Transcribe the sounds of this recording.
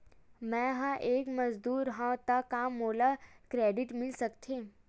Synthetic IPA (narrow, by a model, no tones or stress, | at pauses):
mɛ̃ɦãʔeːkmɐzd̪uːɾɦãt̪akːaːmːoːlakɾeːɖɪʈmɪlsɐkt̪ʰeː